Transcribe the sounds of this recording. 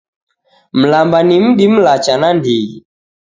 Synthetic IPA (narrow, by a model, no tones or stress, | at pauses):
m̩lambanim̩ɗim̩lat͡ʃanandiɣḭ